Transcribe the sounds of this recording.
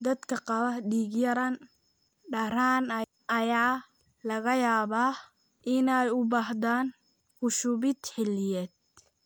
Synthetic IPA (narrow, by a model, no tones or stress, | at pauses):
d̪ɐd̪kʰɐqɑβɐhɖiːɡjɐɾɐn | ɖɐɾaːnɐ | ʔɐjaː | lɐɣɐjaːβaː | ʔɪnɛjʊbaːɦd̪aːn | hʊʃʊβɪd̪ħɪlɪjɛːd̪̚